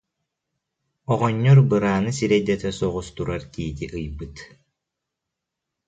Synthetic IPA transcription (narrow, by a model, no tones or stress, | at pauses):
ɔʁɔɲːɔɾbɯɾaːnɯsiɾɛjd̪ɛt̪ɛsɔʁust̪uɾaɾt̪iːt̪iʔɯjbɯt̪